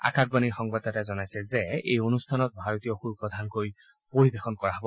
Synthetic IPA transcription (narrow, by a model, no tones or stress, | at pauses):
a̰kak̚baniɹxɔŋbatatazɔnajsɛzɛḛjonustʰanɔt̚bʱaɹotijɔxuɹupɹɔdʱankoj | poɹibexɔnkɔɹaɦɔbɔ